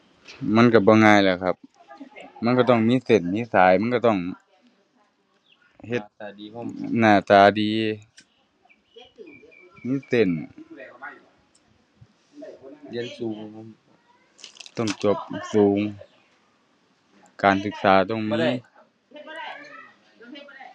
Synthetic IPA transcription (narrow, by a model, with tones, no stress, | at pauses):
ma˧˥˨nka˧˩bɔː˧˦ŋaː˧˨jlɛ˧˨kʰa˧p̚ | ma˧˥˨nka˧˩t̪ɔ˧˥˩ŋmiː˧˥˨se˨˩n̚miː˧˥˨saː˨˦jma˧˥˨kɔ˧˩t̪ɔ˧˩ŋ | he˧˩˧naː˧˩t̪aː˨˦diː˨˧ | miː˧˥˨se˨˩n | li˧˨nsuː˨˦ŋ˧ | t̪ɔ˧˥˩ŋt͡ɕo˧p̚suː˨˦ŋ | kaː˨nsɯ˧˥k̚saː˨˦t̪ɔ˧˩ŋmiː˧˥˨